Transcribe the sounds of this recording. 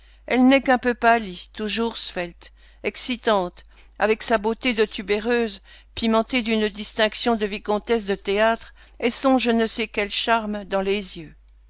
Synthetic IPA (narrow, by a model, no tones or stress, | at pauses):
ɛlnɛkɛ̃pøpalit̪uʒuʁsfɛlt̪ | ɛksit̪ɑ̃t̪ | a̰vɛksabot̪ed̪ət̪ʰybeʁøːz | pimɑ̃t̪ed̪ynd̪ist̪ɛ̃ksjɔ̃d̪əvikɔ̃t̪ɛs̬d̪ət̪eat̪χ | esɔ̃ʒənəsɛkʲɛlʃaʁmd̪ɑ̃lezjø